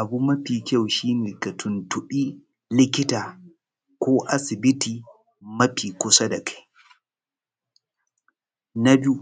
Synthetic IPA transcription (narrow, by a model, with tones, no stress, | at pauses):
ʔa˨bu˦mɐ˦ɸiː˨kʲa˦˨wʃiː˦neː˨ka˨tʰʊ˨ntʊ˨ɓiː˦ | lɪ˦kʲɪ˦taː˨ | kʷoː˦ʔa˨sɪ˨bɪ˦tiː˨ | mɐ˦ɸiː˨kʷʊ˦sa˦da˨kʰḁ˦j | na˦bɪ˦u˦